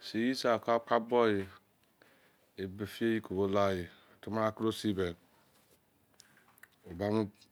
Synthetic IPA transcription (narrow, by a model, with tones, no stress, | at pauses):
si˨ji˦sa˨ka˦k͡pa˦bɔ˦ji˨ | e˨be˨fi˦e˦ji˦ko˨bo˦la˦˨ji˨tu˦ma˦ɾa˦kɾo˦si˦be˨ | o˨ba˦mu˦